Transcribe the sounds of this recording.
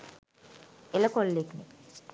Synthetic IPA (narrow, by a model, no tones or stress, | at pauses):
eləkolːekne